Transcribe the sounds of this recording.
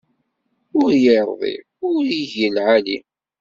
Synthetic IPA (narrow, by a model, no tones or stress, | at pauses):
ʊɾjəɾˤðˤḭ | ʊɾjiʝəlʕali